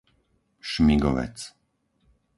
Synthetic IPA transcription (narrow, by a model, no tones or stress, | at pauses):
ʃmiɡɔ̰ʋɛ̰t͡s